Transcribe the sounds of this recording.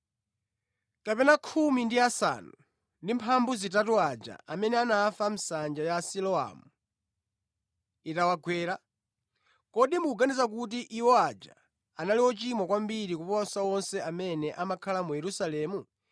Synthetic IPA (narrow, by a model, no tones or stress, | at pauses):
kapɛnakʰumindiasa̰nu | ndimpʰambuzitatuad͡ʒa̰ʔamɛnɛanaːfam̩sand͡ʒajasilɔa̰ːmu | itawaɡʰwɛːɾa | kɔɗimuuɡanizak̬ut̬iʔiwɔad͡ʒa̰ | analiwɔt͡ʃimwakwambiɾik̬upɔnsawɔnsɛamɛnɛʔamakʰalamujɛɾusalɛːmu